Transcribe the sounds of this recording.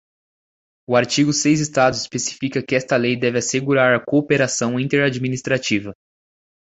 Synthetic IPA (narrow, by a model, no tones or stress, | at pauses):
ʊaɾt͡ʃiɡʊsejzist̪ad̪ʊispesi̥fikɐkɪɛst̪ɐlejd̪ɛvɪaseɡuɾaɾɐkoːpeɾasɐ̃w̃ĩnt̪eɾad͡ʒminist̪ɾat͡ʃivɐ